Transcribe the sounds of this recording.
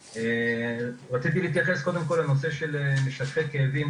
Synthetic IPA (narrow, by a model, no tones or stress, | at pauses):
e | ʁat͡sit̪iliːt̪jaχesko̞d̪e̞mko̞lanos̬e̞ʃelemeʃat̪χekeːvim